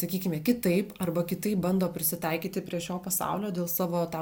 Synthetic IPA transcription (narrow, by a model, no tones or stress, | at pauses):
sɐkʲiːkʲɪmʲɛːkʲɪt̪ɐɪpɐrbɐkʲɪt̪ɐɪp̚bɐnd̪oːpʲɾʲɪsʲɪt̪ɐɪkʲiːt̪ʲɪpʲɾʲiɛʃʲoːpɐsɑ̰ʊlʲoːd̪ʲeːlˠsɑːʋoːt̪ɛ